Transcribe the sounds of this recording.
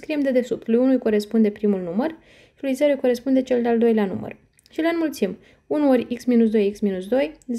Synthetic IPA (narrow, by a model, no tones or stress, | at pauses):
kɾiemd̪e̞d̪e̞supt̪lujunujko̞ɾe̞spund̪e̞pɾimulnumər | ʃilujzeɾoujko̞ɾe̞spund̪e̞t͡ʃe̞ld̪eald̪o̞jlanṵmə̰r | ʃileanmult̪sim | unoɾʲiksminus̬d̪o̞jiksminus̬d̪o̞jz